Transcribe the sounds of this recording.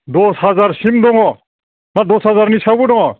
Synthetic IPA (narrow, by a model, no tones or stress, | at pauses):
d̪ɔsɦazaɾsimdɔŋɔ | nad̪ɔsɦazaɾnisabuɖɔŋɔ